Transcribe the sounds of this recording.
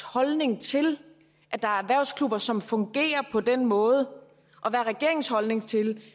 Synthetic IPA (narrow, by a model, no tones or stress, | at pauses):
hɒ̽lne̝ŋt͡sʰe̝l | ʔæd̥ɑ̈æɐæʋæɐ̰ʊskʰlub̥ɐsɒ̽mfɔ̽ŋɡ̥e̝̰ːɐpʰɒ̽d̥enmɔ̽ːð̞̩ˠə | ʔɒ̽ʋæːɐʁɛɡ̥e̝ɐeŋ̩shɒ̽lne̝ŋt͡sʰe̝l